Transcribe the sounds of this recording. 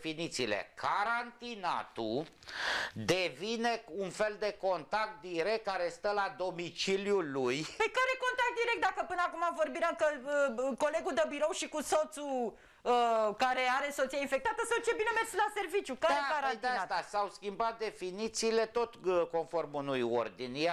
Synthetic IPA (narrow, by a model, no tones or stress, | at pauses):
finit̪siːlḛkʰaɾant̪ina̰t̪u | d̪evine̞unfe̞ld̪e̞ko̞nt̪ak̚t̪̚d̪iɾe̞k̚t̪̚kːaɾe̞st̪əlad̪o̞mit͡ʃiljulujpəjkaɾe̞ko̞nt̪ak̚t̪̚d̪iɾek̚t̪d̪akəpɨnəakumavo̞rbiɾeakəəko̞le̞ɡud̪əbiɾo̞wʃikuso̞t̪su | əkaɾe̞aɾe̞so̞t̪siainfe̞k̚t̪at̪əsawt͡ʃe̞binemerlase̞rvit͡ʃjukaɾeaaad̪eat̪asawskʲimbat̪̚d̪e̞finit̪siːle̞t̪o̞t̪ko̞nfo̞rmunujo̰rd̪inja